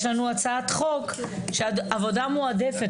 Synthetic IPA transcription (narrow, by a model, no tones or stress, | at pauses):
ʃlanuat͡saat̪χo̞kʃeaavo̞damuad̪efe̞